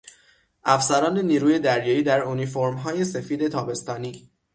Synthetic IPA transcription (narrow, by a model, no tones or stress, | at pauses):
ʔæfsæɾɒːne̞niːɾuːje̞d̪æɾjɒːiːd̪æɾunifoɾmɦɒːje̞se̞fiːd̪e̞t̪ʰɒːbe̞st̪ɒːniː